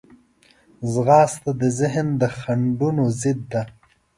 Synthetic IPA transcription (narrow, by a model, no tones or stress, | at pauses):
zɣɑːst̪ad̪əzɪɦnd̪əxaɳɖunozɪd̪ːa